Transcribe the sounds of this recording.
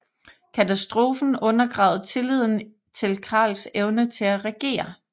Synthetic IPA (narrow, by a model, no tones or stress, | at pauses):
kʰæt͡sʰæsd̥ʁo̝ːfn̩ɔ̽nɐɡ̥ʁɑ̰̈ʊð̞̩ˠt͡sʰe̝lið̞̰ˠn̩ | t͡sʰe̝lkʰɑ̰̈ːlseʊnət͡sʰe̝læʁɛɡ̥e̝̰ːɐ